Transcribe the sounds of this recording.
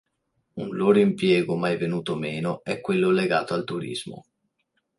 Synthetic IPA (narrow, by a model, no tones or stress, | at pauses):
unloːɾoimpjɛːɡomajvenuːt̪omeːnoɛkːwelːoleɡaːt̪oalt̪uɾḭzmo̰